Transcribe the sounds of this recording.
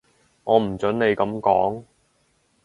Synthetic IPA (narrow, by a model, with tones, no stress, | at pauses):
ŋɔː˨˧m̩˨˩t͡sɵ˨˥nne˨˧jkɐ˨˧˥mkɔː˨˥ŋ